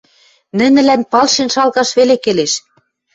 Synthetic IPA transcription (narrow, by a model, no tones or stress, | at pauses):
nɘ̆nɘ̆lænpɑlʃenʃɑlɣɑʃβelekeleʃ